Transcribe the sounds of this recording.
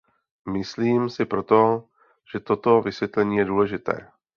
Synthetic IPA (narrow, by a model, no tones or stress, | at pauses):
mɪsliːmsɪpɾo̞t̪o̞ | ʒ̥ɛt̪o̞t̪o̞vɪsvjɛt̪lɛɲiːjɛduːlɛʒɪt̪ɛ̰ː